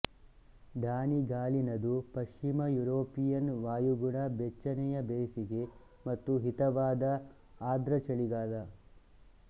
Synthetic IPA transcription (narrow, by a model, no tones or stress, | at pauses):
ɖaːniɡaːlinɐd̪upɐʃt͡ʃimɐjuɾoːpijɐnʋaːjuɡuɳɐbɛt͡ʃːɐnɛjɐbeːsiɡe̞ | mɐt̪ːuɦit̪ɐʋaːd̪ɐ | aːd̪ɾɐt͡ʃɐɭiɡaːlɐ